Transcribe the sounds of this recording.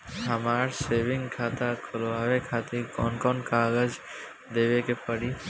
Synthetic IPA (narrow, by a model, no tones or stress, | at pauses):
ɦamaɾsebʱiŋkʰat̪akʰoloabekʰat̪ikɔ̰nkɔnkaɡəd͡ʑ | d̪ebekepəɽi